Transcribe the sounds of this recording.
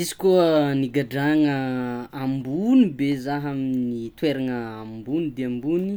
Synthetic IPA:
izi̥kuəniɡaɖ͡ʐaŋəambunibezaɦaminit̪weɾaŋəambunid̪eambuni

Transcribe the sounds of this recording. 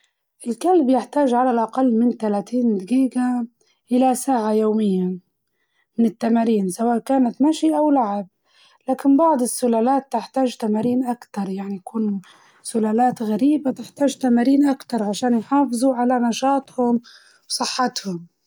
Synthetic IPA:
ʔɪlkalbjɪħt̪aːʒʕalalʔaqalːmɪnt̪alaːt̪iːnd̪ɪɡiːɡa | ʔɪlasaːʕajoːmɪjːa | mɪnɪt̪ːamaːɾiːnsawaːʔkaːnat̪maʃiʔawlaʕɪb̚ | laːkɪnbɑʕd̪ˤɪsːʊlaːlaːt̪ːɪħt̪aːʒt̪amaːɾiːnʔakt̪ɑɾˤjaʕnijakuːn | sʊlaːlaːt̪ɣaɾiːbat̪ɪħt̪aːʒt̪amaːɾiːnʔakt̪ɑɾˤʕaʃaːnjħɑːfɨzˤuʕalanɑʃɑːt̪ˤhʊm | wsˤɨħːɑt̪hʊm

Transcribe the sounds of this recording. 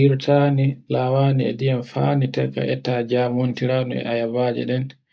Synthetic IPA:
iɾtʰanilawaːniɛ̰dijamfanitɛkːa̰ʔɛtaːd͡ʒamontiɾaːnuɛ̰ʔajavaːd͡ʒɛ̰ɗɛn

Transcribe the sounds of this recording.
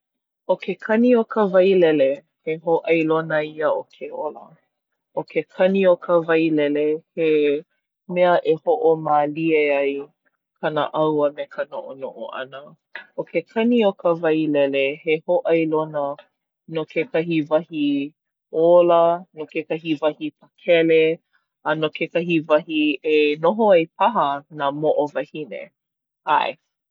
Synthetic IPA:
okʰekʰɐniokəvɐjlɛle | heɦoʔɐjlonəiəokʰeolə̰ | ʔokʰekʰɐniokʰəvɐjlɛlehe | mɛəʔehoʔomaːlieaj | kʰanə̰ʔɐwəmɛkʰənoʔonoʔo̰ʔɐ̰nə | okʰekʰɐniokʰəvɐjlɛlehehoʔɐjlonə | nokʰekɐɦivɐhi | olənokekɐɦivɐhipʰəkʰɛle | ɐnokekɐɦivɐhienoɦoɐjpʰɐɦənamoʔovɐhinḛ | aj

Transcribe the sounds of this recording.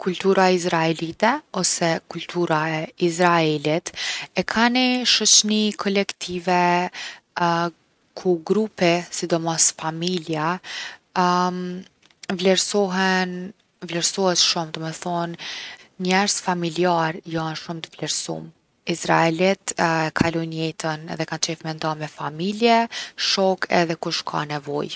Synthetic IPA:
kʰult̪uɾaizɾaɛlit̪ɛɔsɛkult̪ʰuɾaɛizɾaɛlit̪ɛkʰaniʃɔt͡ʃnikʰɔlɛkt̪ʰivɛ | kʰuɡɾupisid̪ɔmɔsfamilja | vlɛɾsɔɦɛn | vlɛɾsɔhɛt̪ʃumd̪ɔmɛθɔnɲɛɾsfamiliaɾjanʃumt̪əvlɛɾsṵm | isɾaɛlit̪ɛkʰalɔnjɛt̪ənɛ̰ðɛkant͡ʃɛfmɛnd̪amɛfamiljɛʃɔkʰɛ̰ðɛkuʃkʰa̰nɛvɔ̰j

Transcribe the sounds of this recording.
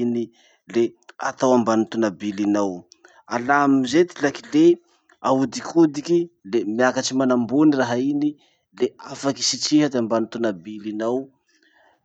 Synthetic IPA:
ini | lea̰t̪awambanut̪unabilinaw | alamizet̪ilakile | aud̪ikʰud̪ikilemiakaʈ͡ʂimanambuniraɦaini | leafaki̥sit͡siɦad̪eambanut̪unabilinaw

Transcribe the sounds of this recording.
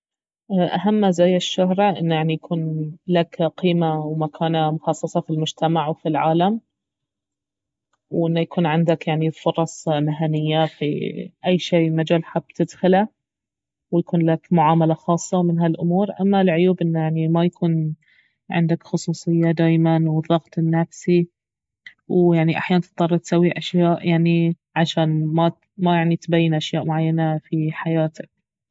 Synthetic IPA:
ʔʔaɦamːazajːɪʃːʊhɾʔɪ̰nːjaʕnijakʰuːnlakqiːmawmakʰaːnamʊxɑsˤːɑsˤɑfilmʊd͡ʒt̪amaʕwfilʕaːlam | wʔɪnːajakʰuːnʕɪnd̪akjaʕnifʊɾˤɑsˤmɪɦanɪjːafḭʔajːʃeːmad͡ʒaːlħabt̪ɪd̪xɪla | wjakuːnlakmʊʕaːmalaxɑːsˤːɑwmɪnɦalʔʊmuːɾʔa̰mːalʕʊjuːbʔɪnːajaʕnimajakʰuːn | ʕɪ̰nd̪akxʊsˤuːsˤɨjːad̪aːjmanwɨðˤːɑɣt̪ˤnːafsi | wjaʕniʔa̰ħjaːnt̪ɨt̪ˤːɑrˤɑt̪sawːiʔaʃjaːʔjaʕni | ʕaʃaːnma | majaʕnit̪bajːɪnʔaʃjaːʔmʊʕajːanafiħajaːt̪ak̚

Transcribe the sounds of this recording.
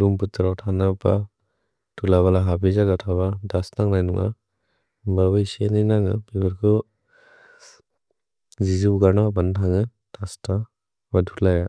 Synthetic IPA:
ɾumputɯɾawtʰanapa̰ | tʰulaβalaɦabizaɡatʰaβadasnaŋnajnṵŋʔa̰ | babɯjseninaŋɯ̰pikʰɯɾkʰɯ | zizuɡaɾnabantʰaŋɯ | d̥asta | badʰulaja

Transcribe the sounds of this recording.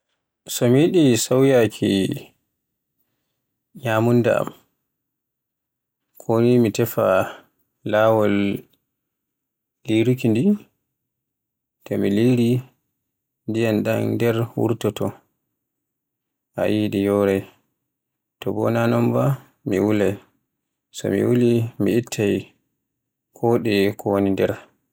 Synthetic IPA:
sɔmiɗisawjakʰi | ɲamunda̰a̰m | kʰonimitɛfa | laːwɔl | liɾukindi | tɔmiliɾi | ndijanɗandɛɾwṵɾtɔtɔ | ʔa̰jiːɗijɔːɾɛj | tɔbɔ̰nanɔmba | miwulaj | sɔ̰mḭwulimiːtʰːaj | kʰɔːɗɛkʰɔwnindɛɾ

